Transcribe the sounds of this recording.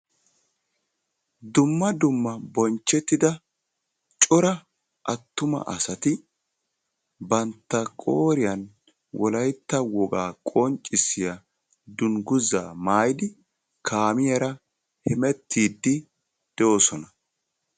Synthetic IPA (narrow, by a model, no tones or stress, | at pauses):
d̪ʊmːɐd̪ʊmːɐbɔnt͡ʃːɛt̪ːɪd̪ɐ | t͡ʃʼɔɾɐ | ʔɐt̪ːʊmɐ̰ʔɐ̰sɐt̪ɪ | bɐnt̪ːɐkʼoːɾɪjɐn | wʔɔlɐjt̪ːɐwɔɡaːkʼɔnt͡ʃʼːɪsɪjɐ | d̪ʊnɡʊza̰ːmaːjd̪ɪ | kʰaːmɪjɐɾɐ | hɛmɛt̪ːiːd̪ːɪ | d̪̥ɛʔoːsɔnɐ